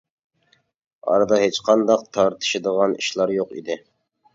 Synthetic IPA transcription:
ɑ̰ɾd̪ɑɦet͡ʃqʰɑnd̪ɑq̚t̪ʰɑɾt̪ʰɨ̥ʃɪd̪əʁɑnḭʃlˠɑɾjoqḭd̪ɪ

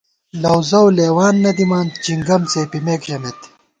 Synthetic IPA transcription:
lɐwzɐwleːwaːnːɐd̪imaːnt͡ɕiŋɡɐmt͡seːpimeːkʑɐmet̪

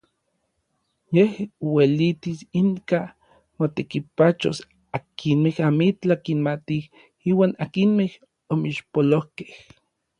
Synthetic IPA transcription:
jehowelit̪isiŋka | mot̪ekipat͡ʃo̰s | akʰinmehamit͡ɬakinmat̪ih | iːwaːnakinmeh | omiʃpolohke̥h

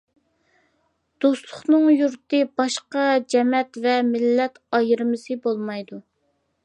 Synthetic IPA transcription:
d̪̥ost̪lˠʊχnɨŋjuɾt̪ɨbɑʃqɑd͡ʒɛmɛt̪vɛmɪlːɛt̪ɑjɨɾmɨsɨbolˠmɑjd̪u

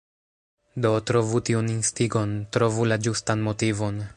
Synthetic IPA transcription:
do̞tɾo̞vutiuninstiɡo̞ntɾo̞vulad͡ʒustanmo̞tivo̞n

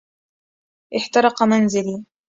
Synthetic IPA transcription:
ʔɪħt̪ɑɾˤɑqɑmanzɪliː

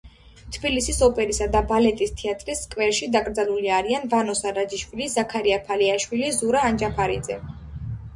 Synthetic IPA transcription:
t̪ʰbilisisɔpʼɛɾisad̪abalɛt̪ʼist̪ʰiat̪ʼɾiskʼwɛɾʃid̪akʼɾd̪zaluliaɾianvanɔsaɾad͡ʒiʃwilizakʰaɾiapʰaliaʃwilizuɾaːnd͡ʒapʰaɾḭd̪zɛ̰

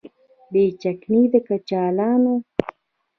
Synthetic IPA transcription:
beːt͡ʃakniːd̪akat͡ʃaːlaːno

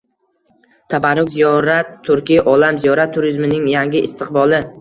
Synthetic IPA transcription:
t̪ʰabaɾːʊkʲzijɒɾat̪ʰːʊɾkʲɪʔɒlamzijɒɾat̪ʰːʊɾɪzmɪnɪŋjaŋɡʲɪʔɪst̪ʰɪqbɒlˠɪ

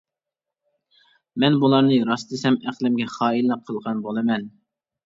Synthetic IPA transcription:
mɛnbulˠɑɾnɨɾɑsd̪ɨsɛmæqlˠɪmɡʲɛχɑːilːɛp̚qʰəlˠʁɑnbolˠɨmɛn

